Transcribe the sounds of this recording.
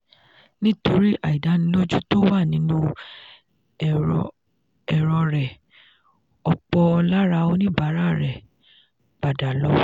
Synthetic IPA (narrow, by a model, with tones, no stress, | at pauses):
nĩ˦to˧ɾi˦ʔa˨i˨da˨˦nĩ˧˦lo˦d͡ʒu˦to˦wa˦˨nĩ˨˦nũ˦˨ | ɛ˨ɾɔ˧ɾɛ˨ | ɔ˧k͡pɔ˧la˦ɾa˧o˧nĩ˦ba˨˦ɾa˦ɾɛ˨ | k͡pa˨da˨lɔ˦